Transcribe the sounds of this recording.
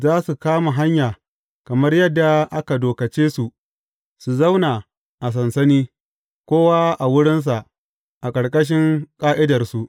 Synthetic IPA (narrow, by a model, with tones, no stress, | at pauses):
zaː˦su˨kaː˦ma˨ɦa˦ɲjaː˨ | kɐ˨mɐ˦rjɐ˦dːa˨ʔa˦ka˨doː˨kɐ˨t͡ʃeː˦su˨ | su˨zɐ˦wnaː˨ | ʔa˨s̬ɐ˨nsɐ˦niː˦ | kʷoː˦waː˦ʔa˨wʊ˦ɽɪ˦ns̬a˨ʔ | ʔa˨kʼɐ˨ɽkʼɐ˦ʃ̬ɪ˦ŋkʼaː˦ʔɪ˦dɐ˨rsu˨ʔ